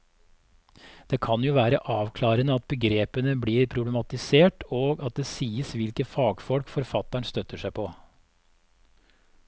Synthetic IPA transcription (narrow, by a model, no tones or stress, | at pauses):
d̪̥eːkʰɑnjuːʋæːɾəʔɑːʋkʰlɑːɾənəɑt̪̚bəɡɾeːpənəbliːɾpʰɾʊblɛmɑt̪ɪseːʈoːɡɑt̪̚d̪esiːəsʋɪlkəfɑːɡfɔlkfɔɾfɑt̪ːæɳst̪œt̪ːəʂæɪpʰɔ